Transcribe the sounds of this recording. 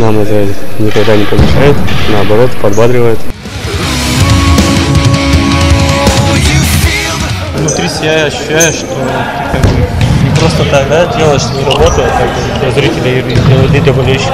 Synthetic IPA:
namɛt̪əɛt̪nʲɪkɐɡd̪anʲɪpəlɪɕajʊt̪nɐːbɐɾo̞t̪pɐd̪bad̪ɾʲɪvəjʊt̪ | vnʊt̪ɾʲisʲɪbʲaɐɕːʉ̥ɕːæjʊʂt̪o | t̪ʲipənʲɪpɾo̞st̪ət̪ak̚d̪adʲelˠəʂt̪ovɨɾɐbo̞t̪əjʊkak | t̪ɐzɾitʲɪlʲɐdʲelˠəd̪ʲed̪ʲəbɐlʲeɕ

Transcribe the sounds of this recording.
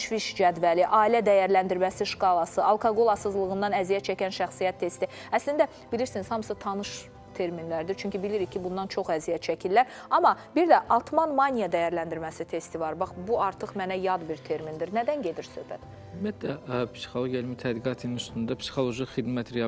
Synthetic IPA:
ʃviʃd͡ʒæd̪væliʔɑːilæd̪æjæɾlænd̪iɾmæsiʃkɑlˠɑsɯɑlˠkʰɑɡo̞lˠɑsɯzlˠɯɣɯnd̪ɑnæzijæt̪t͡ʃʰæcænʃæxsijæt̪ʰːe̞st̪i | æslind̪æ | biliɾsiniz̥hɑmɯsɯt̪ʰɑnɯʃ | t̪ʰe̞ɾminlæɾd̪iɾt͡ʃʰyɲʲcʰibiliɾicʰibund̪ɑnt͡ʃʰo̞χæzijæt̪t͡ʃʰæcʰilːæɾ | ɑmɑbiɾd̪æʔɑt̪ʰmɑnmɑnʲijɑd̪æjæɾlænd̪iɾmæsit̪ʰe̞st̪ivɑɾbɑχbuɑɾt̪ʰɯχmænæjɑd̪biɾt̪ʰe̞ɾmind̪iɾnæd̪ænɟe̞d̪iɾsøhbæ̰t̪ | mæt̪d̪æpsi̥xolˠoɡjalmit̪ʰæd̪iɡɑt̪ʰininyst̪und̪ɑpsi̥xolˠoʒiχid̪mæt̪ɾeɑ

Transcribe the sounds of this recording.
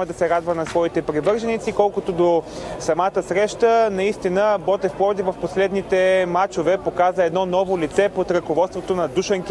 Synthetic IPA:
əd̪ɐsɛɾad̪vənɐsvɔit̪ɛpɾivɤɾʒɐnit̪sikɔlˠkot̪od̪o | sɐmat̪əsɾɛʃt̪ənɐist̪inəbɔt̪ɛfpɔd̪ivəfposlɛd̪nit̪ɛmat͡ʃovɛpokazəɛd̪nɔnɔvolit̪sɛpot̪ɾəkovɔt̪st̪vot̪onɐd̪uʃəŋk

